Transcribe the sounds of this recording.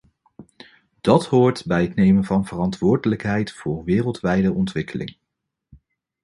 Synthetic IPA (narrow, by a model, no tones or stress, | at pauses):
d̥ɑtɦʊːɹtbɛjətnejmənvɑnvərɑntʋʊːɹdələkɦɛjtfʊːɹʋɪːrəlˠtʋɛjdəʔɔntʋɪkəlɪ̰ŋ